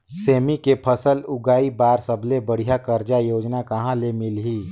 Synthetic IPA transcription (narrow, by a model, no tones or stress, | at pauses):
seːmikepʰəsəlʊɡaːibaːɾsəblebəɽ̤ijakəɾd͡ʒajoːd͡ʒnakɐɦãlemɪlɦiː